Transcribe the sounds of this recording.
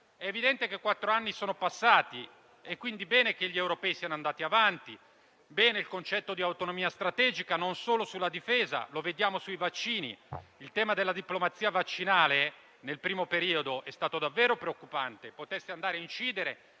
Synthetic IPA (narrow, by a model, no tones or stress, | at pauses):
ɛevid̪ɛnt̪ekekːwat̪ːɾoanːisoːnopasːaːt̪i | ekːwind̪ibɛːnek̟eʎːiewɾopɛːisianoand̪aːt̪iavant̪i | bɛːneilkont͡ʃɛt̪ːod̪iawt̪onomiːast̪ɾat̪ɛːd͡ʒikanonsoːlosulːad̪ifeːza̰loved̪jaːmosuivat͡ʃːiːnḭilt̪ɛːmad̪elːad̪iplomat̪siavat͡ʃːinaːle | nelpɾiːmopeɾiːod̪oʔɛst̪aːt̪od̪avːɛːɾopɾeokːupant̪epot̪ɛsːeand̪aːɾeint͡ʃiːd̪eɾe